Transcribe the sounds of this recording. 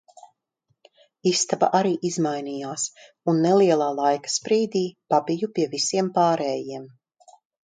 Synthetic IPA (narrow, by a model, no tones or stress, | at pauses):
ist̪aba̰ʔaɾiːʔizmajnijaːs | unːɛliɛlˠaːlˠajkḁspɾiːd̪iːpabijupiɛvisiɛmpaːɾɛːjiɛm